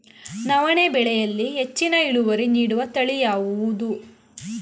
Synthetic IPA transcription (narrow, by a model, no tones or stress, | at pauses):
nɐʋɐnebɛɭɛjɐlːiɦet͡ʃːinɐiɭuʋɐɾiniːɽuʋɐt̪ɐɭijaːʋuʋud̪u